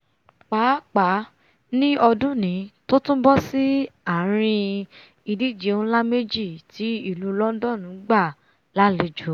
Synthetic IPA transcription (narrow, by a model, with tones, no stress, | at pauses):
k͡pa˨˦k͡pa˨˦ | nĩ˦ɔ˧dũ˦nĩ˨˦to˦tũ˦bɔ˦si˦a˦˨ɾ̃ĩ˧ | i˧di˦˨d͡ʒe˨˦ũ˦la˦me˦d͡ʒi˦˨tʰi˨˦i˦˨lu˧˦lɔ˦dɔ˦˨nũ˨˦ɡ͡ba˦˨ | la˦le˧˦d͡ʒo˨˦